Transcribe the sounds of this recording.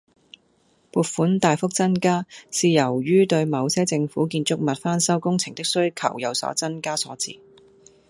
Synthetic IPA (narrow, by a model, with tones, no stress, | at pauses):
puː˨t̚fuː˨˥nt̪aː˨jfʊ˥k̚t͡sɐ˥nkaː˥siː˨jɐ˨˩wjyː˥t̪ɵ˧ɥmɐ˨˧wsɛː˥t͡sɪ˧ŋfuː˨˥kiː˧nt͡sʊ˥k̚mɐ˨t̚faː˥nsɐ˥wkʊ˥ŋt͡sʰɪ˨˩ŋt̪ɪ˥k̚sɵ˥ɥkʰɐ̰˨˩wjɐ˨˧wsɔ̰ː˨˥t͡sɐ˥nkaː˥sɔː˨˥t͡sḭː˧˩